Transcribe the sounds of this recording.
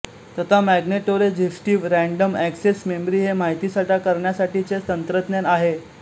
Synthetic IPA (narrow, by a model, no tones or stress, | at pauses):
t̪ət̪amæɡneʈoɾed͡ʑefʈiːʋɾæ̃ɳɖəmæksesmembɾiːɦemaɦit̪iːsəʈakəɾɳjasaʈit͡ɕet̪ənt̪ɾət̪njanaɦe